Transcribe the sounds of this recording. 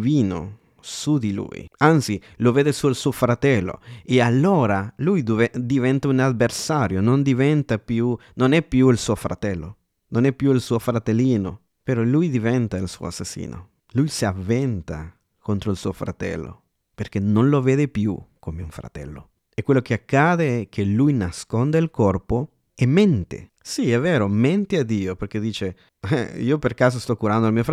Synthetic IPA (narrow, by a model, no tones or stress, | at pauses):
viːno̰ | sud̪ilṵːjḭant̪si | loveːd̪esuilsuːofɾat̪ɛlːo̰ealːoːɾalujd̪uɛd̪ivɛnt̪aunad̪bersaːɾjonond̪ivɛnt̪apjunonɛpːjuilsuːofɾa̰t̪ɛlːo | nonɛpːjuilsuːofɾat̪elːiːno̰ | peɾɔlujd̪ivɛnt̪ailsṵːo̰a̰sːasḭːnʔo̰ | lujsiavːɛnt̪a̰ | kont̪ɾoilsuːofɾa̰t̪ɛ̰lːo̰ | perk̟enonloveːd̪epjṵkomeuɱfɾa̰t̪ɛ̰lːo | ekwelːok̟eakːaːd̪eɛkʰːelujnaskond̪eilkɔrpo | emːɛnt̪ḛ | siɛvːeːɾoment̪ead̪iːoperk̟ed̪iːt͡ʃe | ɛ̰iːoperkaːzost̪ɔkːuɾand̪oalmiːof